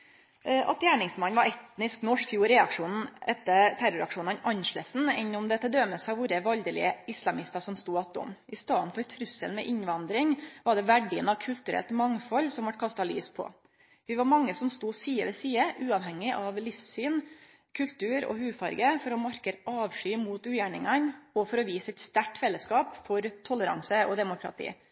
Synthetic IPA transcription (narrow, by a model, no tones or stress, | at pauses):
ʔɑ̰t̪jæːɳɪŋsmɑnʋɑɾɛt̪nɪsknɔʂkfjuːɾɛɑkʂuːnn̩ɛt̪ːət̪ʰæɾʊɾɑkʂuːnəɑnʔɑnʂɭesn̩ɛnːɔmd̪ɛt̪ːəd̪ɾœməsæɪʋʊɾəʋɑld̪əlɪ̰əɪslɑmɪst̪ɑsɔmst̪uːɑt̪ːɔ̰mʔɪst̪ɑːnfɔɾt̪ʰɾʉsəlmɛ̰ʔɪɲʋɑnd̪ɾɪŋʋɑɖɛʋæɖiːənɑʋkʰʉlt̪ʉɾʔɛ̰lt̪mɑŋfɔlːsɔmʋɑʈ̚kʰɑst̪ɑlḭːspʰɔ̰ | ʋɪʋɑɾmɑŋːəsɔmst̪uːsiːəʋɛsiːəʔʉːɑʋɦɛŋːɪʔɑʋlɪfssyːn | kʰʉlt̪ʉːɾɔ̰hʉːfɑɾɡəfɔɾɔmɑɾkəɾɑːʋʂyːmuːt̪ʉːjæɳɪ̰ŋɑnɔfɔɾɔʋiːsəɛt̪st̪æʈfɛlːəskɑːpfɔɾt̪ʰɔləɾɑ̰ŋsəɔd̪ɛmʊkʰɾɑ̰t̪ʰḭː